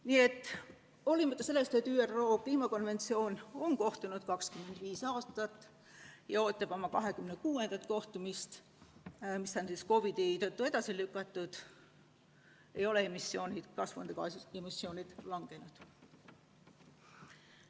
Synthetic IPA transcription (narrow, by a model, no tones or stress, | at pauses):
nie̞t̪ːˑ | o̞limɑt̪ːˑɑse̞lːest̪et̪ːyːærːo̞ːkliːmɑko̞nve̞nt̪sio̞ːno̞ŋko̞ht̪unud̪̥kɑkskyme̞nd̪̥viːsɑːst̪ɑt̪ːˑ | jɑo̞ːt̪ˑːɑb̥o̞mɑkɑɦe̞kymnekuːe̞nd̪̥ɑt̪ko̞ht̪umist̪ | misːɑnsisko̞vid̪̥e̞jt̪ɤt̪ːue̞d̪̥ɑsilykːˑɑt̪ːˑud̪̥ | e̞jo̞leemisːio̞ːnid̪̥kɑsvond̪ekɑ̰semisːjio̞ːnʲid̪̥lɑŋɡ̥e̞nud̪̥